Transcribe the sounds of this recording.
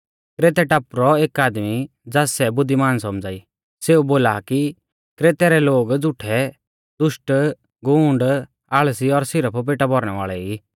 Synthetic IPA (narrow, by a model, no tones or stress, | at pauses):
kɾeːt̪ɛʈapɾɔeːkaːd̪mi | d͡zaːsɛbʊd̪ʱːimaːnsɔmd͡zaːi | seːuboːlaki | kɾeːt̪ɛɾɛloːɡd͡zʊʈʰɛ | d̪ʊʃʈ | ɡũːɳɖ | aːɭsiɔɾsɪɾəpʰp̬eːʈabʱɔɾɽ̃ɛʋa̰ːɭɛi